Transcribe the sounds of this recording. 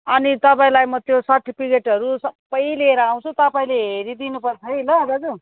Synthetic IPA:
ʌnit̪ʌpaĩlajmʌt̪josaʈʰːipikeʈʌɾusʌbʌjleɾʌaw̃t͡sʰũt̪ʌpaĩleɦeɾid̪inupʌrt͡sʰʌɦejlʌd͡zʌd͡zu

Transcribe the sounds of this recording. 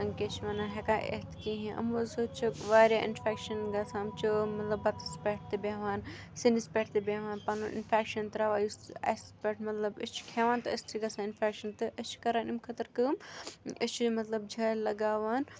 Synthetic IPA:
ɐŋket͡ʃʰʋaːnaɦekaːʔḛt̪ʰkiɦĩʔɐ̰mozot͡ʃʰʋaːɾjaːʔɪ̰nfeːkʃɐnɡasãːmt͡ʃʰumɐt̪lɐbɐt̪speːʈ̚ʰt̪ebʲeːʋaːn | sinispeːʈt̪ebẽːʋaːnpɐnuʔɪ̰nfeːkʃɐnt̪ɐɾaːʋaːjusɐ̰sspeʈʰmɐt̪lɐbɨt͡ʃʰkʰẽːʋaːnt̪ɨɐst̪ʰɾiɡaːsãɪnfeːkʃɐnt̪ɨʔət͡ʃʰkɐɾaːnimkʰɐt̪ɐɾkɨmət͡ʃʰmɐt̪lɐb̚d͡ʒʱɐːlɐɡaːʋaːn

